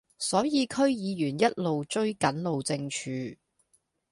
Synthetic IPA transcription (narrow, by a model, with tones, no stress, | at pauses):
sɔː˨˥jiː˨˧kʰɵ˥ɥjiː˨˧jyː˨˩njɐ˥t̚lo˨wt͡ʃɵ˥ɥkɐ˨˥nlo˨wt͡sɪ˧ŋt͡ʃʰyː˨˧